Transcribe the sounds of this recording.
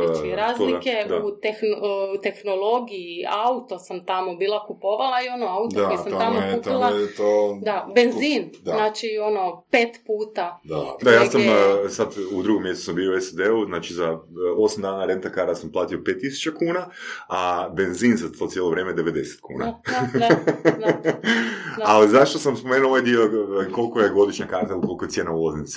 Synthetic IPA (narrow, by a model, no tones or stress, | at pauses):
at͡ʃɾaːzliked̪aut̪ext̪e̞xnolˠo̞ɡijiaut̪o̞samt̪amobiːlˠakupo̞ʋalˠaio̞no̞aut̪oaɡesamamoup̪ilˠat̪od̪abenziːnnaːt͡ʃio̞no̞pe̞ːt̪puːt̪aad̪ajaːsamsad̪ud̪ɾuɡomje̞st̪u̥sambiouesad̪euznaːt͡ʃizao̞samd̪aːnaɾe̞nt̪akaɾasamplˠaːt̪io̞pet̪ːisu̥t͡ʃakuːnaabe̞nzinzat̪osjeloʋɾjeːmeed̪e̞ʋe̞d̪e̞se̥t̪kʰṵːna̰ | alizaʃt̪osamspomeːnuloʋajd̪io̞ko̞lkojeɡo̞d̪iʃɲakaɾt̪elˠuko̞lˠkoejeːnaulazins